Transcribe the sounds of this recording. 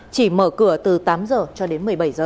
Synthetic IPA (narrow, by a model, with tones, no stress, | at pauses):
t͡ɕi˧˩məː˧˩kɨ˧˩ət̪ɨ˨˩t̪aː˨˦mzəː˨˩t͡ɕɔ˧ɗe˨˦nmɨ˨˩əjɓa˧˩jzəː˨˩